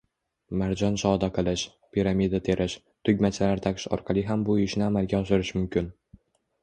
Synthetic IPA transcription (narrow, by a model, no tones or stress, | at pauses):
maɾd͡ʒɒnʃɒd̪aqʰɨlˠɪʃ | pʰʲiɾamʲid̪at̪ʰe̞ɾʔɪʃ | t̪ʰʊɡʲmat͡ʃʰɪlaɾt̪ʰaqɪ̥ʃɒ̰ɾqʰɑlˠɪɦambʊɪʃnɪamalɡʲaɒʃɪɾɪʃmʊmkʲʰɪn